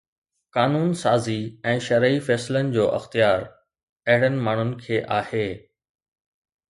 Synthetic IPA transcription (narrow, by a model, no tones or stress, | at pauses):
kaːnuːnsaːziɛ̃ːʃɐɾəifɛːslənɪ̆d͡ʑoːʔɐ̰xt̪ijaːɾ | ɐɦɪɽənɪ̆maːɳ̤ʊnɪ̆kʰeːʔaːheː